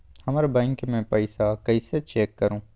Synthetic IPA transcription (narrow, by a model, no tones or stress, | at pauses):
hɐmaːɾebɛ̃ːŋkmɛ̃pɐɪsakɐiset͡ʃeːkːɐɾũː